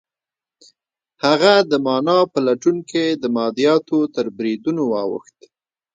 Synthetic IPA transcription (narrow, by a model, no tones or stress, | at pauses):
haɣad̪əmɑnɑpəlaʈunked̪əmɑd̪ijɑt̪ot̪əɾbɾid̪unowɑwə̰xt̪